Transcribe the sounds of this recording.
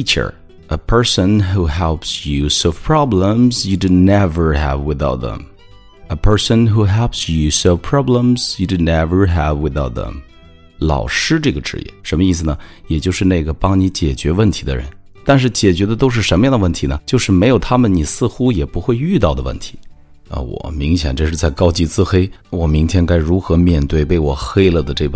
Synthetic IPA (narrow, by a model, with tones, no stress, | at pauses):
i˥t͡ʃə̰˞˨˩ | ə˨pʰɜ˞˥sə̃˨nɦu˧ɦɛ˧lˠpsjʉ˨sovpʰɹ̥ɑ˥blə̃mzjudɪdnɛvə˞ɦə̰vwɪ˧θa˧ʊt̪̚ðə̰̃m | əpʰɜ˞˥sə̃˧nɦu˧ɦɛ˥lˠpsjʉ˨soʊvpʰɹ̥ɑ˥blə̃˨mz̥ju˨dɪdnɛvə˞ɦəvwɪ˧θa˥ʊt̪̚ðə̰̃˧m | lɑ̰˨˩ʊʂɻ̩˥ʈ͡ʂɤ˥˩ɡə˩ʈ͡ʂɻ̩̰˧˥jɛ̰˥˩ʂə˧˥nmə˧i˥˩s̬ɹ̩˩nə˩jɛ˨˩t͡ɕjo˥˧ʊʂɻ̩˥˧ne˥˩ɡə˩pɑ˥ŋni˧˥t͡ɕjɛ˨˩t͡ɕɥɛ˧˥wə˥˩nt̪ʰi̥˧˥d̪ə̰˧ɻə̰˧˥n | t̪a˥˧nʂ̬ɻ̩˥˩t͡ɕjɛ˨˩t͡ɕɥɛ˧˥d̪ə˧t̪o˥ʊʂ̬ɻ̩˥˩ʂə˧˥nmə˧jɑ˥˩ŋd̪əwə˥˩nt̪ʰi˧˥nə˧˨t͡ɕjo˥˧ʊʂɻ̩˥˩me˧˥ɪjo˨˩ʊt̪ʰa˥mə˨nni˨˩sɹ̩˥˩xu˥jɛ˨˩pu˧˥xwe˥˧ɪy˥˧t̪ɑ˥˩ʊd̪ə˩wə̰˥˩nt̪ʰi̥˧˥ | ə̰˧˩wɔ̰˨˩mi˧˥ŋɕjɛ̰˨˩nʈ͡ʂɤ˥˧ʂɻ̩˥˧t͡sa˥˩ɪkɑ˥ʊt͡ɕi˥˩t͡sɹ̩˥xe˥ɪwɔ˨˩mi˧˥ŋt̪ʰjɛ˥nka˥ɪɻu˧˥xɤ˧˥mjɛ˥˧nt̪we˥˩ɪpe˥˩ɪwɔ˨˩xe˥ɪlə˥˩d̪ə˩ʈ͡ʂɤ˥˩p